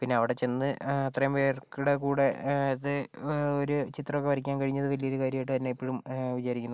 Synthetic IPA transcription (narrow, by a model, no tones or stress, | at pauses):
pinːeɐʋiɽe̞t͡ɕe̞nːɨɐt̪rɐjɐmpeːrkuɽekuːɽe̞iðɨoɾut͡ɕit̪rɐmokːeʋɐɾikʲːaːnkɐɻiɲːɐðɨʋɐlijoɾukaːɾjɐmajʈːɨt̪ɐnːeipːeɻumʋit͡ɕaːɾikʲːunːɐð